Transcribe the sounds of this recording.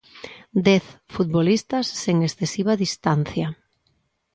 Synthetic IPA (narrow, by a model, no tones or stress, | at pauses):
d̪ɛθfut̪̚βolist̪ɐsːeŋesθesiβ̞aðist̪an̟θja